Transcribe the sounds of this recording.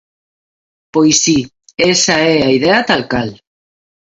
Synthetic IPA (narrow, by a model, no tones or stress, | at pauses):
pojsi | esaɛaiðeat̪alkal